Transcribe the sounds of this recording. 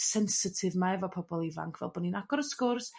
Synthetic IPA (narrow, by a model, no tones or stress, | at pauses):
sɛnsɪtʰɪvmaɛvɔpʰɔbɔlˠiva̰ŋkʰv̥ɛ̰lˠbɔninaɡɔɾəskʊrs